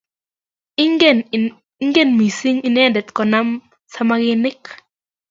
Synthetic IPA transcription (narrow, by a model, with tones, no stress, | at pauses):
ŋɡe˦˨nmi˨si˦ŋi˦nɛ˦ndɛ˨t̪kɔ˨na˦m | sa˦maɡɪnɪ˦k